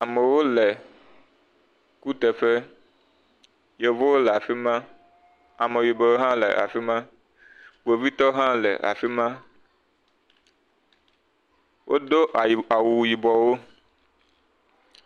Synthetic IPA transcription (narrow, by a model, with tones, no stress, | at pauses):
a˨me˨wo˦le˨ | ku˦t̪e˨fe˦ | je˨vo˦wo˦lɛ˨a˨fi˦mã˦ | a˨me˨wi˨bɔ˨wo˦ɦã˦lḛ˨ʔa̰˨fi˦mã˦ | ɡ͡bo˨vi˦t̪ɔ˦ɦã˦lɛ̰˨ʔa̰˨fi˦mã˦ | wʔo̰˦d̪o˦ʔa˨wu˨ji˨bɔ˨wo˦